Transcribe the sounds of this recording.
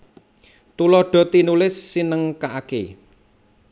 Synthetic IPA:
t̪ulɔɖ̥ɔ̤t̪inulɪsːinəŋkaʔake

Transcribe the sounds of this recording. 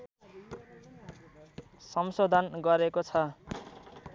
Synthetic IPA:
sʌmsod̪ʱanɡʌɾekot͡sʰʌ

